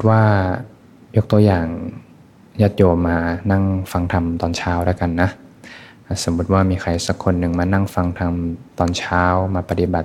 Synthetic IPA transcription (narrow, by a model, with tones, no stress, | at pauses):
t̪̚waː˥˩ | jo˦˥k̚t̪u˧jaː˨˩ŋ | jaː˦˥˩t̪̚joː˧maː˧na˥˩ŋfa˧ŋt̪ʰa˧mt̪ɔː˧nt͡ɕʰaː˦˥wɾaː˥˩˨jka˧nːa˦˥ | a˧˩so˩˦mːu˦˥t̪̚waː˥˩miː˧xʰa˧˩jsa˧˦kʰːo˧nːɯ˨˩ŋmaː˧na˥˩ŋfa˧ŋt̪ʰa˧mt̪ɔː˧nt͡ɕʰaː˦˥wmaː˧pa˧t̪i˧˩ba˨˩t̪̚